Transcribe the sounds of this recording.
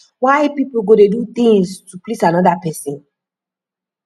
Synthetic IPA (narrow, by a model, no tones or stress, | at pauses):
waɪpipl̩ɡodedut̪ĩŋstuplisãnɔdapɛsĩn